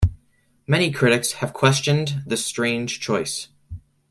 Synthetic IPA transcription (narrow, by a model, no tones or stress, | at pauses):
mɛɾ̃ikʰɹ̥ɪɾɨkshɨv̥kʰw̥ɛst͡ʃɨ̃nðɨstɹ̥ẽɪ̃nʒ̥t͡ʃʰɔɪs